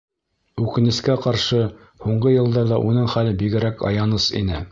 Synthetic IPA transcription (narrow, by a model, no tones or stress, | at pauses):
ʉkɘ̆nɘ̆skæqɑɾʃɤ | huɴɢɤjɤ̆lˠd̪ɑðɑʔunɤɴχælɘbiɡɘ̆ɾækʰɑ̰jɑnɤsḭnɘ